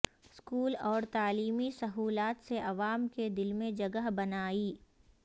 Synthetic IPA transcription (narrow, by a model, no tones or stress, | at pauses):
ɪskuːlɔːɾt̪aːliːmisɐɦuːlaːt̪seʔɐʋaːmked̪ɪlmẽd͡ʒɐɡəɦbɐnaːiː